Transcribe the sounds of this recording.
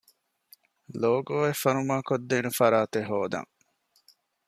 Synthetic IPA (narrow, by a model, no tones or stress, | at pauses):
loːɡoːefɐnumaːkod̪ːeːnufɐɾaːt̪eɦoːd̪ɐ̰ŋ